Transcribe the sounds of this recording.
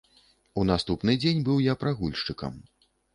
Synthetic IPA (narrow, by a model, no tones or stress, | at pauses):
unast̪upnɨd͡zʲenʲbɨwjapɾaɣulʲʂt͡ʂɨkɐ̰m